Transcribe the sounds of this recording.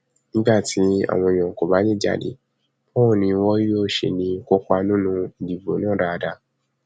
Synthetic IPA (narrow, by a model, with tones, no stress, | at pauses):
nĩ˦ɡ͡ba˦˨tʰi˦a̰˦˨w̃ɔ̃˧˨j̃ã˨ko˨ba˨˦nĩ˦d͡ʒa̰˦˨dḛ˨˦ | bɔ̃˦˨nĩ˧˦wɔ̃˦o˦˨ʃe˧nĩ˧˦kɔ˦ka˧nũ˦nũ˦i˨di˨bo̰˨˦nãː˦˨ɾa˧da˧